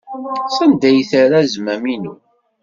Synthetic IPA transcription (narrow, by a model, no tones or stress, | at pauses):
sænd̪æjθaɾazmæminu